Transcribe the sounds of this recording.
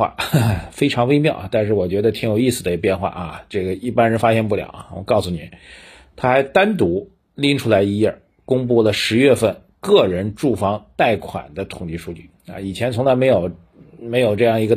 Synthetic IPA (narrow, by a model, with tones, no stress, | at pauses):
wa̰˥˧˩fe˥ɪʈ͡ʂʰɑ˧˥ŋwe˥ɪmjɑ˥˩ʊa̰˨˩t̪a˥˧nʂɻ̩˥˩wɔ˨˩t͡ɕɥɛ˧˥d̪ə˧t̪ʰi˧˥ŋjo˨˩ʊi˥˩sɹ̩˩ə˧i˧˩pjɛ˥˧nxwa̰˥˩ʔɐ˩ʈ͡ʂɤ˥˩ɡə˩i˥˩pa˥nɻə˧˥nfa˥ɕjɛ˥˧npu˥˩ljɑ̰˨˩˦ʊa̰˨wɔ̰˨˩kɑ˥˩ʊsu˨˩ni˨˩˦ | t̪ʰa˥xa˧˥ɪt̪a˥nt̪u˧˥ | li˥ŋʈ͡ʂʰu˥la˧˥ɪi˧˥jə˞˥˩ | kʊ˥ŋp̬u˥˩lə˩ʂɻ̩˧˥ɥɛ˥˧fə˥˧n | kɤ˥˩ɻə˧˥nʈ͡ʂu˥˩fɑ˥ŋt̪a˥˩ɪkʰwa̰˨˩nd̪ə˦t̪ʰʊ˨˩ŋt͡ɕi˧˥ʂu˥˧t͡ɕy˥˩ɐ̰˧i˨˩t͡ɕʰjɛ˧˥nt͡sʰʊ˧˥ŋla˧˥ɪme˧˥ɪjo˨˩ʊ | me˧˥ɪjo˨˩ʊʈ͡ʂɤ˥˧jɑ˥˩ŋi˧˥ɡə˧